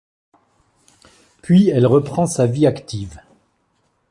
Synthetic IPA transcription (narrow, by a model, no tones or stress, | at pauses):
pɥiɛlʁəpχɑ̃saviakt̪iv